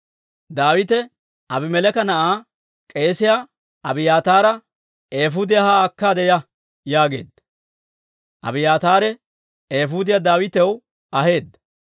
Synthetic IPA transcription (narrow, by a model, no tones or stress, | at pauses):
d̪aːwɪt̪ɛ | ɐbɪmɛlɛkɐnɐʔaː | kʼe̞ːsɪjaː | ʔɐbɪjaːt̪aːɾɐ | eːfʊd̪ɪjahaɐkːaːd̪ɛjɐ | jaːɡe̞̰ːd̪ɐ | ʔɐ̰bɪjaːt̪aːɾɛ | eːfʊd̪ɪjad̪aːwɪt̪ɛw | ɐɦe̞ːd̪ɐ